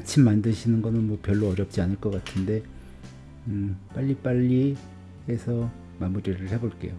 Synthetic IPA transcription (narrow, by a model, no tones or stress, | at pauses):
t͡ɕʰimːandɯɕʰinɯnɡʌnɯnmwʌpjʌɭːoʌɾjʌp̚t͡ɕ͈ianɯɭk͈ʌk͈atʰɯnde̞ | ɯp͈aʎːip͈aʎːi | esʰʌ | mamuɾiɾɯɭhe̞boɭk͈e̞̰jo